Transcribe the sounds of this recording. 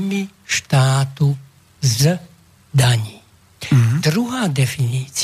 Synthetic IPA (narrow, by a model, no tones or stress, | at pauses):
mi | ʃt̪aːt̪u | z | d̪aɲiː | d̪ɾuɦaːd̪ɛfinit͡s